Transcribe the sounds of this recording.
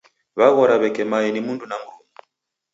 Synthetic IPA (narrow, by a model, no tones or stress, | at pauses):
βaɣɔɾaβɛkɛmajɛnimundunaŋɡʰɔmɔ